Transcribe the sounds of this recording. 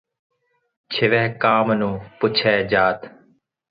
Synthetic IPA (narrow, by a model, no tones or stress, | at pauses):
t͡ʃʰɪʋɛːkaːmnũːpʊt͡ʃʰɛːd͡ʒaːt̪